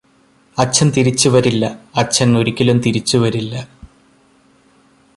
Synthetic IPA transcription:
ɐt͡ɕʰːɐnt̪iɾit͡ɕːuʋɐɾilːɐɐt͡ɕʰːɐŋːoɾikʲːɐlumt̪iɾit͡ɕːuʋɐɾilːɐ

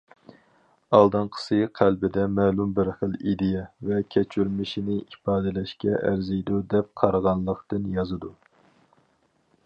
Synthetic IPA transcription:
ɑlˠd̪ɨnqʰə̥sɨqʰælbɪd̪ɛmɛːlˠumbɪɾχəlid̪ɪjɛvɛkʲʰɛt͡ʃʰyɾmɪʃinɪʔifɑːd̪ɛlɛʃkʲɛʔæ̰ɾzɨjd̪ud̪ɛp̚qʰɑɾʁɑnlˠːəqt̪ɨnjɑzɨd̪u

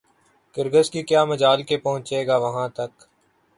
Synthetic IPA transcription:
kɪɾɡəskikjaːmɐd͡ʒaːlkepɐɦʊ̃t͡ʃeːɡaːʋɐɦãt̪ɐk

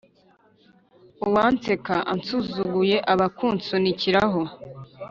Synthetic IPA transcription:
uwant͡se̞kaʔant͡suzuɡuje̞ʔaβakuːnt͡suniciɾaɦo̞

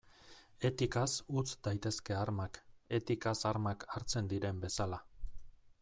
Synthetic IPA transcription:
e̞t̪ikasut͡sd̪ajt̪e̞ske̞aɾmake̞t̪ikasaɾmakaɾt͡se̞nd̪iɾe̞mbe̞sala

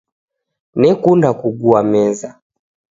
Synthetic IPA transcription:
nɛkundakuɡuamɛza

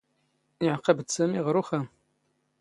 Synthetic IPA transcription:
iʕqɐbt͡sʰɐmiʁəɾuxɐ

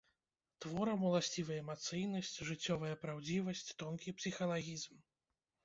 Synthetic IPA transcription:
t̪vɔɾɐmulˠasʲt͡sʲivɐjɐɛmat̪sɨjnɐsʲt͡sʲʐɨt͡sʲːɔvɐjɐpɾawd͡zʲivɐsʲt͡sʲt̪ɔnkʲipsʲixɐlˠaɣʲizm

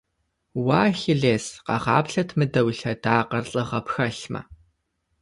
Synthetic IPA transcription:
waːxɪɮeːsqɐ̰ʁɑ̰ːpɬɐtʰmɨdɐwɬɐdaːqɐrɬʼɨʁɐpxɐɬmɐ̰

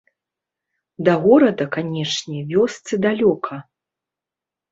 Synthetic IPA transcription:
d̪ɐɣɔɾɐd̪ɐkanʲɛʂnʲɛvʲɔst̪sɨd̪alʲɔkʰɐ

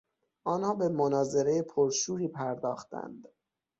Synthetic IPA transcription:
ʔɒːnhɒːbe̞monɒːze̞ɾejepʰoɾʃuːɾiːpʰæɾd̪ɒːxt̪æ̰nd̪̥

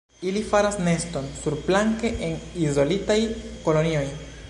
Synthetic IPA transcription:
ilifaɾasne̞sto̞nsuɾblaŋke̞ʔenizo̞litajko̞lo̞nio̞j

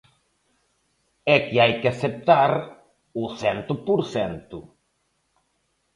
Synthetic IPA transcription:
ɛkɪajkɪasep̚t̪aɾ | ʊsɛnt̪ʊpuɾθɛnt̪ʊ

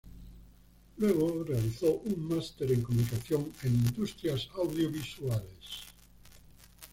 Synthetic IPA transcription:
lweɣ̞orealiθoʔuŋmast̪e̞ɾeŋkomunikaθjoŋeŋĩnd̪ust̪ɾjasawðjoβiswales

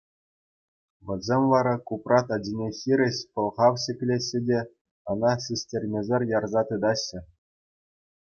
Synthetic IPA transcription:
ʋʲɘ̆lʲzʲemʲʋɑɾɑkuprɑt̪ɑd͡ʑʲinʲexʲiɾʲɘ̆ɕpɤ̆lˠʁɑwɕʲɘ̆pʲlʲeɕːɘ̆dʲe | ɤ̆nɑsʲisʲtʲerʲmʲezʲerʲjɑrzɑt̪ɯd̪ɑɕːɘ̆

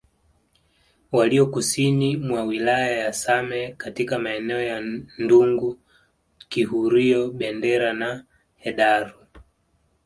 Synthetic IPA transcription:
waliɔkusinimwawilajajasamɛkatikamaɛnɛɔjanduŋɡu | kihuɾiɔɓɛndɛɾana | hɛɗaɾu

